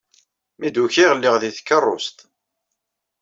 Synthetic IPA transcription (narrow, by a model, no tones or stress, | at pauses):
mid̪uçiʁəlːɪʁðiθkːərˤːʊ̰st̪